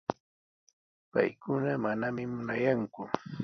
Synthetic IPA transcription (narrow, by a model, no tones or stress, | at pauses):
pa̰jkʊnamanamɪmʊnajaŋkʊ